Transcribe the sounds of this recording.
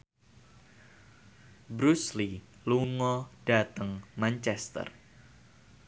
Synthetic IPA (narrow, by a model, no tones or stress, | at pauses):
bɾusli | luŋɔd̥at̪əŋmant͡ʃɛst̪ə̰r